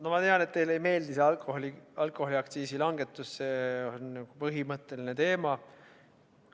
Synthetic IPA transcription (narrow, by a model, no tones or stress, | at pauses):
nomɑt̪e̞ɑnet̪ːe̞jle̞jme̞ːld̪iseɑlkoholiɑlkˑo̞ho̞liɑkt̪siːsilɑŋɡ̥e̞t̪ːˑusːe̞onnɑɡ̥upɤɦimɤt̪ːˑe̞line̞t̪e̞ːmɑ